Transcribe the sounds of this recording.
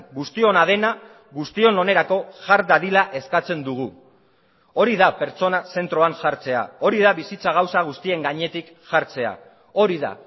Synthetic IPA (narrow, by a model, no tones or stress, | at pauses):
ɣust̪io̞nað̞e̞na | ɣust̪io̞none̞ɾako̞ʝaɾd̪aðilaʔe̞skat͡se̞nd̪uɣ̞u | o̞ɾiðape̞ɾt͡so̞nase̞nt̪ɾo̞aŋʝaɾt͡se̞a̰o̞ɾiðaβisit͡saɣ̞awsaɣ̞ust̪ie̞ŋɡaɲe̞t̪ik | ʝaɾt͡se̞a̰ | o̞ɾiða̰